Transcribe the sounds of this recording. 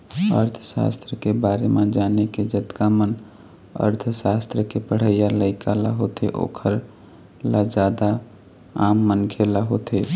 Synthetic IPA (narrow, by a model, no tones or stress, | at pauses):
ə̰ɾt̪ʰəsa̰st̪ɾəkebaɾemãd͡ʒaneked͡ʒət̪kamən | ə̰ɾt̪ʰəsast̪ɾəkepəɽ̤əjaləɪkʰala̰ɦot̪eʔo̰kʰəɾ | lad͡ʒad̪a | amːənkʰelaɦot̪ʰe